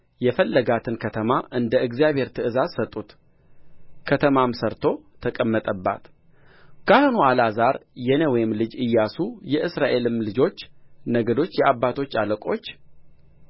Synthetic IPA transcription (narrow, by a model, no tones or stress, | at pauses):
jɛfəlːəɡat̪ʰɨnkʰət̪ʰəmaʔɨnd̪əɨɡzijaβʱhe̞ɾt̪ʰɨɨzazsət̪ʼːut̪ | kʰət̪ʰəmamsəɾt̪ʰo̞t̪ʰəkʼəmːət̪ʼəbːa̰t̪ | kʰahɨnualazaɾjɛnəwɔjɪmlɨd͡ʒɨjːasujɛʔɨsɾaʔe̞lɨmlɨd͡ʒo̞t͡ʃːnəɡəd̪o̞t͡ʃːjɛʔabːat̪ʰo̞t͡ʃːaləkʼo̞t͡ʃː